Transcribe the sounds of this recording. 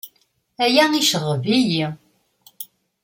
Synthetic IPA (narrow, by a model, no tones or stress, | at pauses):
æjæiʃəʁəviji